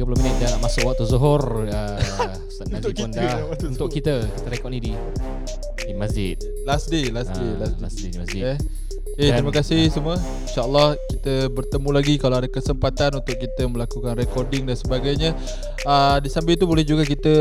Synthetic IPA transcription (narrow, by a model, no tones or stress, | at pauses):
ɡəpulominət̪̚daamasʊʔwaʔ̚t̪uzuɦʊrə | usanad͡ʒɪt̪̚mandaunt̪ʊʔkːit̪əkit̪əɾekɔʔ̚nidi | dimasd͡ʒɪ̰t̪̚ | lasdelaselaslasdedimasd͡ʒ | et̪ɾiməkasɪhsəmuə | inʃaʔəlːɔhkit̪əbərt̪əmũlaɡikalawadakəsəmpat̪anunt̪ʊʔ̚kit̪əməlakukanrekɔrdɪŋdansəbaɡajɲə | ədisambɪlt̪ubolɛhd͡ʒuɡakit̪ə